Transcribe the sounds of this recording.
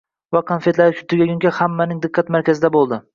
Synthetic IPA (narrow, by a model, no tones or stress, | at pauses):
vakʰonfet̪laɾɪʃʊ̥t̪ʰːʊɡʲaɡʲʊŋkʲahamːanɪŋd̪ɨqːat̪maɾkʲʰazɪd̪abolˠd̪ɪ